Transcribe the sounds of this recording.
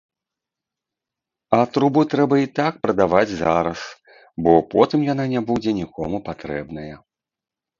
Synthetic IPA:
ɐt̪ɾubɨt̪ɾɛbɐit̪akpɾɐd̪avad͡zʲzaɾɐs | bɔpɔt̪ɨmjan̪anʲɛbud͡zʲɛnʲikɔ̰mupat̪ɾɛ̰bnɐjɐ

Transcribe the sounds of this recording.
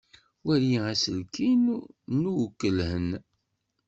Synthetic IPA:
wæɾjiæsəlkinnuwkːəlhən

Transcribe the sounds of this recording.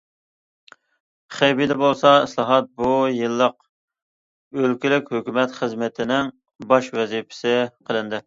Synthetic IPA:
χejbid̪ɛbolˠsɑislˠɑɦɑt̪̚bujɨlˠːəq | ølkʲilɪkʲhøkʲymɛt̪χəzmɪt̪ʰɪnɪŋ | bɑʃwɛzipʰɪ̥sɪqʰəlˠɨnd̪ɪ

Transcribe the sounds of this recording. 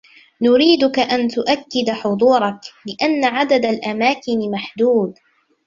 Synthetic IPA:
nʊɾiːd̪ʊkaʔant̪ʊʔakːɪd̪ħʊd̪ˤuːɾˤɑklɪʔanːaʕad̪ad̪alʔamaːkɪnɪmaħd̪uːd̪

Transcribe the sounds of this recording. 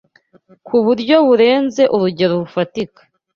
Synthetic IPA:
kʰuβuɾɟo̞βuɾe̞ːnze̞ʔuɾuɟe̞ɾoɾufatikḁ

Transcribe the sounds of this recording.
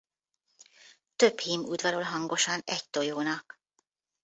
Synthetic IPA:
t̪ø̞phiːmud̪vɒɾolɦɒŋɡo̞ʃɒnɛct̪o̞joːnɒk

